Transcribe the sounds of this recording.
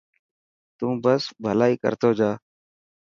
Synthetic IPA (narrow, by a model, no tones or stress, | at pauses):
t̪ũːbəsbʱəlaːiːkə̰ɾt̪oːd͡ʒaː